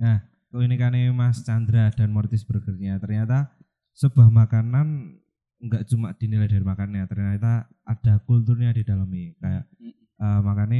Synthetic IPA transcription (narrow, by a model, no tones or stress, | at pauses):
jah | kinikanimast͡ʃand̪ɾad̥anmɔrt̪ɪsb̥ərɡ̥ərɲat̪ərɲat̪a | səb̥a̤hmakanan | ŋɡaʔt͡ʃumaʔd̥i̤nilad̥armakanjat̪ərɲat̪a | ʔad̥a̤kult̪urɲad̥id̥aləmikaja̰ʔ | əmakani